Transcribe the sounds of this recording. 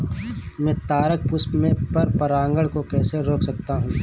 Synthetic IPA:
mɛ̃ːt̪aːɾək̚pʊspmẽpɐɾpɐɾãːŋɡəɽkokɛːseɾoːksɐk̚t̪aɦũː

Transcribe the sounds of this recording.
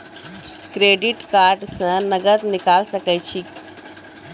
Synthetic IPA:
kɾeːɖiʈkaːɾʈsə̃nɐɡət̪nɪkalsəkəjt͡ɕʰik

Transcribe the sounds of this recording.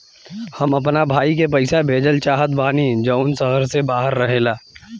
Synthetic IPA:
hɐmɐpnabʱaːik̬ep̬ɐɪsabʱeːd͡ʒəlt͡ʃaːɦət̪baːnid͡ʒəːʊnsəɦəɾsebaːɦəɾːɐɦeːlaː

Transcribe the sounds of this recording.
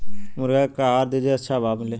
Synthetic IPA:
mʊɾɡakaaːɾd̪eːd͡ʒeɐtːʃʰabaːbmɪleː

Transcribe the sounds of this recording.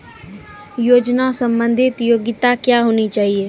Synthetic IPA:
joːd͡ʒnasə̃mbə̃nd̪ʱɪt̪joːɡɪt̪akjaːɦoːnit͡ʃaːɦieː

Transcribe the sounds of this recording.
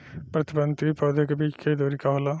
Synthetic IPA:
pɾɐt̪ibənt̪ipɔd̪ʱekbikʰed̪oːɾikaɦola

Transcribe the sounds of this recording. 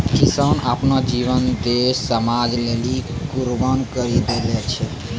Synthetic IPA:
kisəna̰ːpnad͡ʒiʋənd̪essəmad͡ʒlelikuɾbənkəɾid̪elɛt͡ʃʰɛ

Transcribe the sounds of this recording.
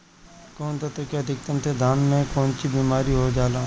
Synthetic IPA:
koːnt̪ot̪ekeɐd̪ʱɪkt̪əmt̪ʰed̪ʱaːnmẽkɔːnt͡ʃibiːmaːɾiɦod͡ʒaːlaː

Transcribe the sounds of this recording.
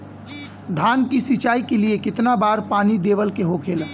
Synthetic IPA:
d̪ʱaːnkisit͡ʃaːikeliekɪt̪nabaːɾpaːnid̪eːʋəlkeɦokʰeːl

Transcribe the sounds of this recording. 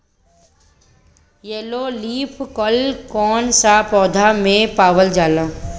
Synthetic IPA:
jeːloːliːpʰkəlkɔːnsapɔːd̪ʱamẽpaːʋəld͡ʒaːlãː

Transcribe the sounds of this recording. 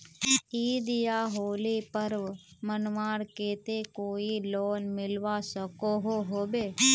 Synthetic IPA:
id̪ijaɦolipəɾʋmənʋaːɽket̪ekoːilonmɪlʋasəkoɦoɦobe

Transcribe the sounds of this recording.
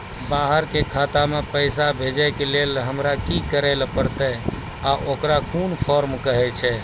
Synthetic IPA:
baɦəɾkekʰat̪amepəjsabʱed͡ʒəkelelɦəmɾakikəɾɛlpəɾt̪ə | aʔokɾakunpʰɔɾmkəɦɛt͡ʃʰɛ

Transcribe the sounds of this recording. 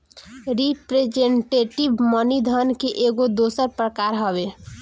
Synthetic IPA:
ɾipɾed͡ʒeɳʈeʈibmənid̪ʱənkeʔeɡod̪osəɾpɾəkaɾɦəbe

